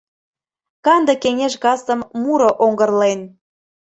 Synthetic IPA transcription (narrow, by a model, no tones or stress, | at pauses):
kɑnd̪ə̆keŋeʃɣɑst̪ə̆mmuɾoʔoŋɡə̆rlen